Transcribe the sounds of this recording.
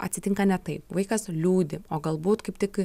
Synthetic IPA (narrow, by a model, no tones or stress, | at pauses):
ɐ̰t̪ʲsʲɪt̪ʲɪŋkɐnʲɛt̪ɐɪpʋɐɪkɐslʲuːd̪ʲɪoːɡɐlˠbuːt̪kɐɪpt̪ʲɪk